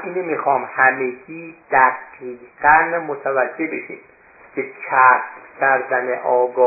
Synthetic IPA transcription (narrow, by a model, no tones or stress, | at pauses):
inemixɒːmhæmeɡiːd̪̥æɡiːɡ̥ænmot̪ʰævæd͡ʒːe̞beʃḭːm | kʰecʰæst̪cʲʰæɾd̪æneʔɒːɡɒː